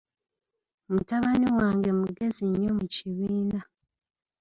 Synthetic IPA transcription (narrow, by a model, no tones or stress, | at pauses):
mutaβaniwaːŋɡe̞muɡe̞ziɲːo̞muciβiːna